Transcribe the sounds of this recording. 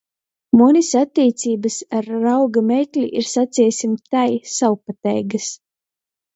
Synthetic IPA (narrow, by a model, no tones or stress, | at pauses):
munisat̪ʲːiːt̪siːbasaɾːawɡamejklʲiʔiɾsat̪siːsʲimt̪ajsawpat̪ɛjɡɐs